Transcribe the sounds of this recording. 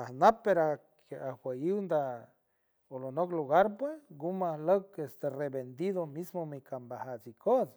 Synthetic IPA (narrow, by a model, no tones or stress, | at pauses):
ahnapːeɾakawʷejiwnd̪a | olonokluɣaɾpwesɡumahlokest̪erebend̪iðomismomikambahat͡sikʰos